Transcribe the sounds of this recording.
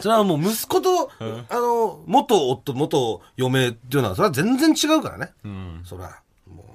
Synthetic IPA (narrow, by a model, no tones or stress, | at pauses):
so̞ɾeamoːmɯ̟sɨ̥ko̞t̪oano̞mo̞t̪o̞ːt̪ːomo̞t̪o | jo̞me̞t̪ːejonaa̰so̞ɾe̞azẽ̞nd͡zẽ̞ɲt͡ɕiɡaɯ̟kaɾa̰ne̞so̞ɾḛa̰ | mo̰ː